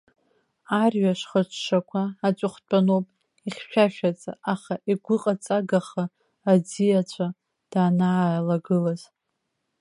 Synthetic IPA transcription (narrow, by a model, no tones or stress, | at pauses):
arɥaʂχət͡ʃʷʰʂakʷʰaːt͡ʃʷʼʊχʷt͡pʷʼanowpʼ | iχʲʃᶣaʃᶣat͡sʼa̰ʔaχaʔiɡʷʊqʼat͡sʼaɡaχaː | d͡zijat͡ɕʷʰa | d̥aːnaalaɡɨlaz̥